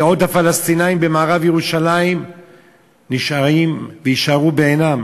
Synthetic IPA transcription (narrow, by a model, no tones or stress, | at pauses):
o̞t̪hafalast̪inaimbemaːʁavjeʁuʃalaim | niʃaʁimvejiʃaʁubeːnam